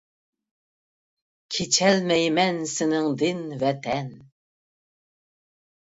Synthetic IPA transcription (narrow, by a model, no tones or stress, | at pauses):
kʲʰet͡ʃʰɛlmɛjmɛnsɪnɪŋd̪ɪnvɛt̪ʰɛn